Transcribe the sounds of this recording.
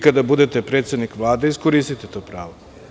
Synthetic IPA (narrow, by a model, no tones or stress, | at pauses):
kad̪abud̪et̪epɾet̪sed̪nikʋlˠaːd̪eiskoɾist̪it̪et̪oːpɾaːʋo